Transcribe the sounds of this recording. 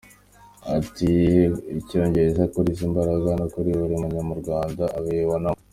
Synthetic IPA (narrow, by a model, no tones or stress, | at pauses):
atiico̞ːɲɟe̞ɾezakuɾis̬imbaɾaɡanokuɾiβuɾimuɲamuɾɡwaːndaʔaβeβonamo